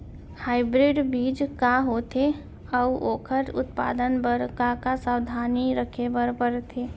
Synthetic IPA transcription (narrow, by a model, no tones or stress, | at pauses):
haːɪbɾɪɖbiːd͡ʒkaɦot̪ʰe | əuoːkʰəɾʊ̰t̪pa̰ːd̪ənbəɾkakasawd̪ʱaːniɾəkʰebəɾpəɾt̪ʰeː